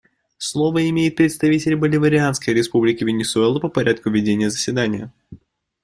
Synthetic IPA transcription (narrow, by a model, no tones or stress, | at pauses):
slˠo̞vəɪmʲejɪt̪̚pɾʲɪt̪st̪ɐvʲitʲɪlʲbəlʲɪvəɾʲɪanskəjɾʲɪspublʲɪkʲɪvʲɪnʲɪsʊɛlˠəpəpɐɾʲat̪̚kʊvʲɪdʲenʲɪjəzəsʲvʲɪd̪anʲɪjə